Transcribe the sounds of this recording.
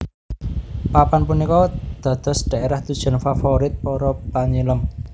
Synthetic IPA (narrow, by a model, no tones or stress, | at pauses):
papanpunikɔd̪̥ä̤d̪̥ɔ̤sɖ̪̥a̤eɾahd̪ud̥ʒ̥ɔ̤nfafoɾɪt̪̚pɔɾɔpaɲiləm